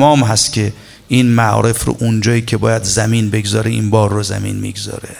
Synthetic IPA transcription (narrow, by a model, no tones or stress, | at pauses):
mɒːmɦæst̪kʲʰe̞ | iːnmæʔɒ̰ːɾe̞fɾo̰ʔund͡ʒɒːiːcʰe̞bɒːjæd̪zæmiːnbe̞ɡzɒːɾeʔinbɒːɾːozæ̰mḭːnmḭɡzɒ̰ːɾe